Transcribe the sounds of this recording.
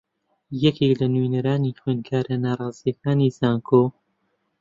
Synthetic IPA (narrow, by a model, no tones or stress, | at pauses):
jɐkʰeklɐnwenɐɾaːnixweːnkʰaːɾanaːrˤɑːzijɐkʰaːniːsaːŋkʰo